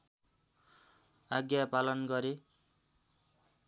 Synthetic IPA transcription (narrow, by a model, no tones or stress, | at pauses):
aɡjapalʌnɡʌɾe